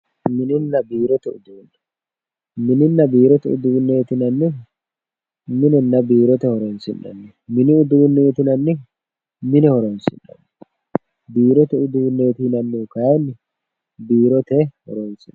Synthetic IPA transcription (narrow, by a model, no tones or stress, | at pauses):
mɪnɪnːɐbiːɾɔt̪ɛʊd̪uːnːɐ̥ | mɪnɪnːɐbiːɾɔt̪ɛʔʊ̰d̪uːnːejt̪ɪnɐnːɪ | mɪnɛnːɐbiːɾɔt̪ɛhɔɾɔnsɪnːɐ̰nːɛ | mɪnɪʊd̪uːnːɛjt̪ɪnɐnːɪ | mɪnɛhɔɾɔnsɪ̰nːɐ̰nːɛ̥ | biːɾɔt̪ɛʊd̪uːnːejt̪ɪnɐnːukɐjanːɪ | biːɾɔt̪ɛhɔ̰ɾɔnsɪn